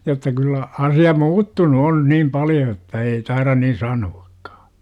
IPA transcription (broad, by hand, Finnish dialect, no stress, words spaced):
jotːɑ kylːæ ɑsiɑ muːtːunu on niːm pɑljo etːæ ei tɑirɑn nin sɑnuɑkːɑ̥